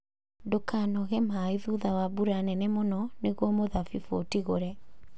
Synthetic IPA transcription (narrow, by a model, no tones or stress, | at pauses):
dokanɔɣɛmaiðuðawabuɾanɛnɛmonɔneɣwɔmoðafifo̰tiɣoɾɛ